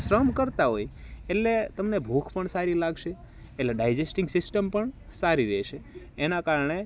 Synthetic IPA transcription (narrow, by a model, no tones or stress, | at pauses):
sɾəmkəɾt̪aɦojeʈlet̪əmnebʱokʰpəɳsaɾilaɡʃeː | ʈleɖajd͡ʒesʈɪ̃ŋɡsɪsʈəmpəɳsaɾiɾeʃeː | nakaɾəɳe